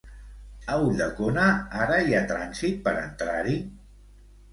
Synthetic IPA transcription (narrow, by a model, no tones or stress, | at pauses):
əuʎəkonaaɾəiat̪ɾanzit̪̚pəɾə̰nt̪ɾaɾi